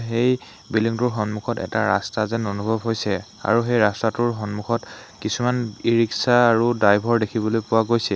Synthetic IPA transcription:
ɦej | biliŋtʊɹɦɔnmukʰɔtɛ̰ta̰ɹa̰stazɛnonubʱɔbɦojsɛ | a̰ɹuxejɹastatʊɹɦɔnmukʰɔtkisumaniɹiksaːɹudajbʱɔɹdekʰibɔlojpʊwaɡojsɛ

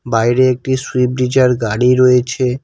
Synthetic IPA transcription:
bajɾeek̚ʈiswip̚ɖid͡ʑaɾɡaɽiɾojet͡ɕʰe

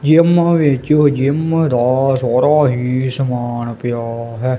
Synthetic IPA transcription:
d͡ʒɪmʋeːt͡ʃod͡ʒɪmd̪aːsɔːɾaːɦiːsəmaːnpɪjaːɦɛː

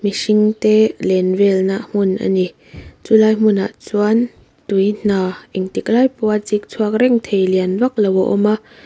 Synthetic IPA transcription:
misiŋt̪ɛlɛnvɛlnaʔm̥ʊnʔa̰ni | t͡sulaːjm̥ʊna̰ʔt͡suan | t̪ujn̥aːʔiŋt̪iklaːjpuat͡sik̚t͡sʰuak̚rɛŋt̪ʰejlianvak̚lawɔʔɔ̰ma

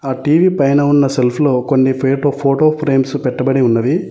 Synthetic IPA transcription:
aːʈiːʋiːpɐjnɐunːɐse̞lpʰulo̞ːko̞nːipʰeːʈoːpʰoːʈoːpʰɾeːmsupɛʈːɐbɐɽiunːɐd̪i

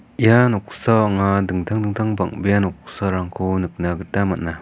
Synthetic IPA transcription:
ʔijanɔk̚sɔŋadɯŋt̪ʰaŋdɯŋt̪ʰaŋba̰ŋbejanɔk̚sɔɾaŋkʰɔnɯk̚naɡɯtamana

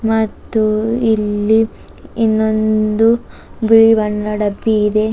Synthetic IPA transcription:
mɐt̪ːuilːiː | nːond̪u | biɭiʋɐɳɾɐɖɐbːiːd̪e̞

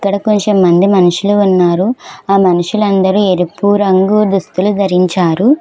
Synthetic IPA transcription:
kːɐɽɐkoɲt͡ʃemːɐnd̪imɐnuʂuluːnːaːɾuaːmɐnuʂulɐnd̪ɐɾueɾipuːɾɐŋɡud̪ust̪ulud̪ʱɐɾiɲt͡ʃaːɾu

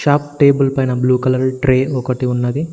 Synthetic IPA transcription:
ʃaːpʈe̞ːbɐlpɐjnɐbluːkɐlɐɾʈɾeːɔkɐʈiunːɐd̪i

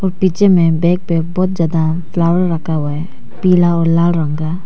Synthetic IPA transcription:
ɔːɾpiːt͡ʃemẽbɛːk̚peːk̚bɔːt̪̚d͡ʒaːd̪a | fʰlaːwəɾːəkʰaɦʊaɦɛ | piːlaɔːɾlaːlɾə̃ŋɡaː

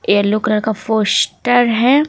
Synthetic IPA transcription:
jeɾlʊkɾəɾkafoːsʈəɾɦɛː

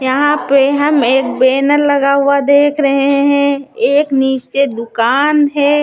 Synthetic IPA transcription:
jɐɦãpeɦɐmeːk̚beːnəɾlɐɡaɦʊad̪eːkʰɾɐɦeɦeɦɛ̃eːkniːt͡ʃed̪ʊkaːnɦɛː

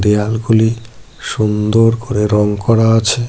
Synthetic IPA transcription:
ɾialɡuli | ʃund̪oɾkoɾeɾɔŋkɔɾaat͡ɕʰe

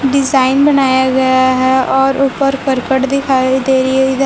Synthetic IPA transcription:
ɖɪzaːɪnbənaːjaɡɐjaɦɛɔːɾʔʊpəɾkəɾkəʈd̪ɪkʰaːid̪eːɾaɪd̪

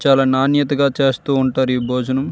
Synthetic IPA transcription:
t͡ʃaːlaːnaːnjɐt̪ɐɡaːt͡ʃe̞ːst̪uːuɳʈaːɾuiːboːd͡ʒɐnɐm

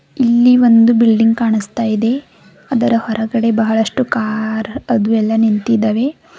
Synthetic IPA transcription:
ilːiʋond̪ubilɖiŋɡkaːɳist̪aːjid̪e̞ | ɐd̪ɐɾɐhɔɾɐɡɐɽe̞bɐɦɐɭɐʂʈukaːɾɐd̪uɛlːɐnint̪id̪ɐʋe̞

